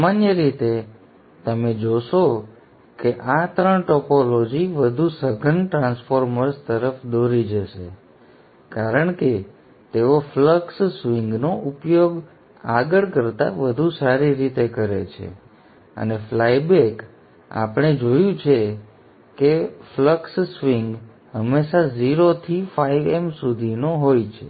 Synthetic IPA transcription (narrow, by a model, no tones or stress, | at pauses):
manjəɾit̪e | t̪əmed͡ʒoʃo | keʔat̪ɾəɳʈɔpolod͡ʒiʋəd̪ʱusəɡʱənʈɾãnsfoɾməɾst̪əɾəfd̪oɾid͡ʒəʃḛ | kaɾəɳke | t̪eofləkssʋĩŋɡnoʔupjoɡ | aɡəɭkəɾt̪a̰ʋəd̪ʱusaɾiɾit̪ekəɾḛt͡ʃʰḛ | ə̰neflajbek | a̰pəɽ̃ed͡ʒojũt͡ʃʰe | kefləkssʋiŋɡ | həmːeʃaziɾot̪ʰifaiʋemsud̪ʱinoɦojt͡ʃʰḛ